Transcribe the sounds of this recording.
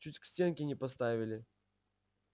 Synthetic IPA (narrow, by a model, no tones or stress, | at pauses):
t͡ɕutʲksʲtʲe̞nkʲɪnʲɪpɐst̪avʲɪlʲɪ